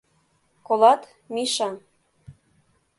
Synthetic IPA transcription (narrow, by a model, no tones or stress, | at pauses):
kolɑt̪ | miʃɑn